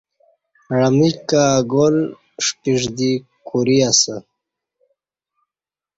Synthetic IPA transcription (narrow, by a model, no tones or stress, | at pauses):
ɾamikaːɡol | ʂpiʐd̪ikuɾiasə